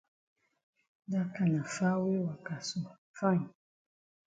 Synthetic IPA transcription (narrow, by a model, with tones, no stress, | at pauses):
da˦ka˨nã˨fa˦we˦wa˨ka˨so˨ | fã˦˨ɲ˨